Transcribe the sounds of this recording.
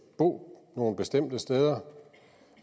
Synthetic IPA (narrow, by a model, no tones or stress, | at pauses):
b̥o̝̰ːno̝ːn̩b̥e̝sd̥em̰d̥əsd̥eːð̞ˠɐ